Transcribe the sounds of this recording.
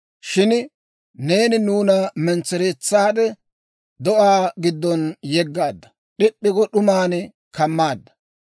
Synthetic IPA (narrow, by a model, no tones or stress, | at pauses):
ʃɪn | ne̞ːnɪnuːnɐmɛnt͡sːɛɾeːt͡sːaːd̪ɛ | d̪ɔʔaːɡɪd̪ːɔnjɛɡːaːd̪ːɐ̥ | ɗɪpʼːɪɡɔɗʊmaːnɛ | kɐmːaːd̪ːɐ̥